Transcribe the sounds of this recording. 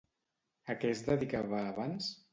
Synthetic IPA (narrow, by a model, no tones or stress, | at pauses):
əkɛzðəðikaβaːβans